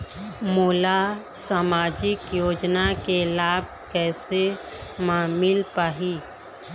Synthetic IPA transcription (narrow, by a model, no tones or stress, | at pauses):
moːla | saːmaːd͡ʒɪkjoːd͡ʒnakelaːb̚ʱ | kɛːse | maːmɪlpaːɦiː